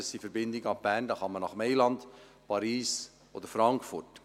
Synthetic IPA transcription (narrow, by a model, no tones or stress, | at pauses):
əsifəɾbɪndɪɡɑb̥ændɑχɑmənɑχmɛɪlɑnd | pʰɑɾiːs | od̪əɾfɾɑŋkfʊrt